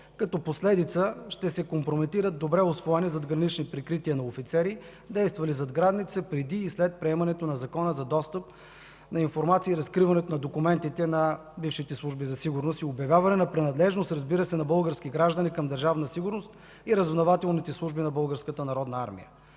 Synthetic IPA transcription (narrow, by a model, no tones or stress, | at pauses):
kɐt̪ɔposlɛd̪it̪səʃt̪ɛsɛkompɾomit̪iɾət̪̚d̪ːobɾɛʊsvɔɛnizɐd̪ɡɾɐnit͡ʃnipɾikɾit̪iənɐofit̪sɛɾi | d̪ɛjst̪vɐlizɐd̪ɡɾad̪nit̪sɛpɾɛd̪iːslɛt̪̚pɾɛɛmɐnɛt̪onɐzɐkɔnəzɐd̪ɔst̪əp | nɐinfoɾmat̪siːɾɐskɾivɐnɛt̪onɐd̪okumɛnt̪it̪ɛnɐ | bifʃit̪ɛslˠuʒbizɐsiɡʊɾnost̪iʊbjɐvʲjavɐnɛnɐpɾɛnɐd̪lɛʒnost̪ɾɐzbiɾəsɛnɐbɤlˠɡəɾsk̟iɡɾaʒd̪ɐnikɐmd̪əɾʒavnɐsiɡʊɾnost̪̚ | iɾəzvnɐvat̪ɛlˠnit̪ɛslˠuʒbinɐbɤlˠɡəɾskət̪ənɐɾɔd̪nəa̰ɾmḭjə̰